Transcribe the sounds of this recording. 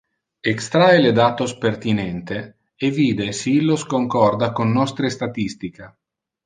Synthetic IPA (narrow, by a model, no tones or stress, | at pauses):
ekst̪ɾaeled̪aːt̪ospert̪inɛnt̪e | eviːd̪esiilːoskoŋkɔrd̪akonːɔst̪ɾest̪at̪ist̪ika